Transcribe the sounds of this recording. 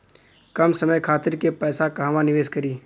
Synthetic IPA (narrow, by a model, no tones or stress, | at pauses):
kɐmsəməjkʰaːt̪ɪɾkepɛːsakɐɦʋanɪʋeːskəɾiː